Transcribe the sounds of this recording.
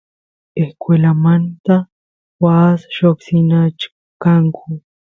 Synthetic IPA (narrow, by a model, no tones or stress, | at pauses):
eskwelamant̪a | wasʃoksɪnat͡ʃ | kaŋkʰʊ